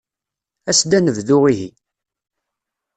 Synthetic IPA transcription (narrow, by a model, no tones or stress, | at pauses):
æsd̪ænəvðʊʁiɦḭ